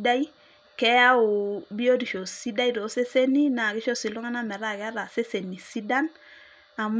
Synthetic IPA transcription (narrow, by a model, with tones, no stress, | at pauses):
da˦i˦ | kɛ˦a˦u˨bi˦o˦di˨ʃo˨si˦da˦i˦do˨˦se˦se˦ni˦na˨ɡɪ˦ʃo˦si˨lu˦ŋa˦na˦mɛ˨ɾa˦˨kɛ˦a˦ɾa˨se˦se˨ni˨si˦da˦n | a˨m